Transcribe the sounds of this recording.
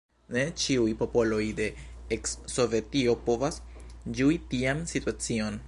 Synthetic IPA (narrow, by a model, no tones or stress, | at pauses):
net͡ʃiujpo̞po̞lo̞jde̞ːksːo̞ve̞tio̞po̞vasd͡ʒuitiamsituat͡sio̞n